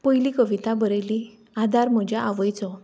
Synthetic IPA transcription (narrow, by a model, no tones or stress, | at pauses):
pəjlikəʋit̪abəɾeli | ad̪ʱaɾm̤ɔd͡ʑjaʔaʋəjt͡sɔ